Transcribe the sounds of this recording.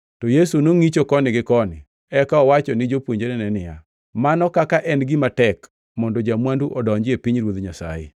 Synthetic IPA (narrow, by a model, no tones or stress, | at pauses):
tɔjesunoŋit͡ʃokɔnɪɡɪkɔnɪ̰ | ɛkaɔwat͡ʃɔnɪd͡ʒopwoɲd͡ʒeɾenɛnɪja̰ | manɔkakaʔɛnɡɪmatɛk | mɔndɔd͡ʒamwanduʔɔdɔɲd͡ʒɪepiɲɾwod̪ɲasa̰jḛ